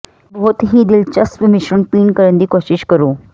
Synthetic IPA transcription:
bɔɦʊt̪ɦid̪ɪlt͡ʃɐspəmɪʃɾənpiːnkəɾənd̪iːkoːʃɪʃkəɾoː

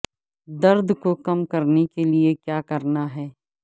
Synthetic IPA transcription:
d̪ɐɾd̪ʱkokɐmkɐɾnekeliekjaːkɐɾnaɦɛː

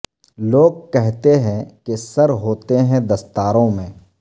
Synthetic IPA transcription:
loːɡ̚kɛɦt̪eɦɛ̃kesɐɾɦoːt̪eɦɛ̃d̪ɐst̪aːɾõmẽː

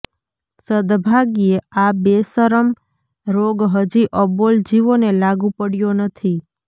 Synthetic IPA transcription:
səd̪bʱaɡieabesəɾəm | ɾoɡɦəd͡ʒiʔəbold͡ʒiʋonelaɡũpəɽjonət̪ʰi

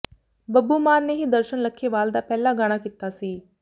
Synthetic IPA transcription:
bəbuːmaːɾneːɦiːd̪əɾʃənləkʰːeːʋaːld̪aːpɛːlaːɡaɽ̃aːkɪt̪ːaːsiː

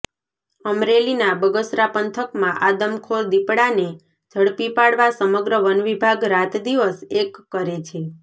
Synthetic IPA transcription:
əmɾelinabəɡəsɾapənt̪ʰəkmãʔad̪əmkʰold̪ipɽane | d͡ʒʱəɽpipaɽʋasəməɡɾəʋənʋibʱaɡɾat̪d̪iʋəsekːəɾet͡ʃʰe

